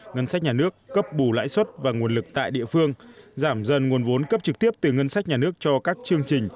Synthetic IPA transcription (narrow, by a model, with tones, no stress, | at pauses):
ŋə˧nsa˦˥k̟̚ɲaː˨˩nɨ˦˥əkːə˦˥p̚ɓu˧˩la̰ː˧˥jswə˦˥t̚vaː˨˩ŋu˨˩ənlɨ˨˩k̚t̪a̰ː˧˨jɗḭ˧˨əfɨ˧əŋzaː˧˩mzə˧˩nŋu˨˩ənvo˨˦nkə˦˥p̚t͡ɕɨ˨˩k̚t̪i˦˥əp̚t̪ɨ˨˩ŋə˧nsa˦˥k̟̚ɲaː˨˩nɨ˦˥ək̚t͡ɕɔ˧kaː˦˥k̚t͡ɕɨ˧əŋt͡ɕï˨˩ŋ̟